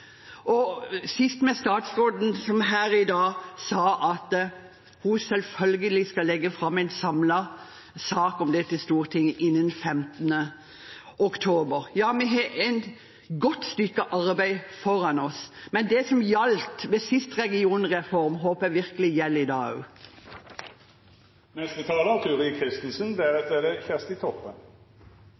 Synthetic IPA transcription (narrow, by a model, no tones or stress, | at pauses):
ʔɔsɪst̪mɛst̪ɑːt̪sʁoːd̪n̩sɔmɦæːɾɪd̪ɑːsɑːʔɑt̪ | husɛlfœlɡəlɪskɑlːɛɡːəfɾɑmːæɪnsɑmlɑ | sɑːkɔmd̪ɛt̪ɪlst̪uːʁt̪ʰɪŋːʔɪnːənfɛmt̪ənə | ʔɔkt̪ʰoːbəɾjɑːmɛɦɑæɪn | ɡɔt̪ːst̪ʏkːəʔɑʁbæɪfɔɾɑnɔsmɛnd̪ɛsɔmjɑlt̪ʋɛsɪst̪ʁɛɡɪuːnʁɛfɔʁmɦoːpɛʋɪʁkəlɪjɛlːɪd̪ɑːʉ̰ː | nɛst̪ət̪ʰɑːlət̪ʰɪʊʁiːəkʰɪst̪ən̩sənd̪ɛæʁɛt̪̚d̪ɛd̪ɛçæʁst̪ɪt̪ʰɔpːən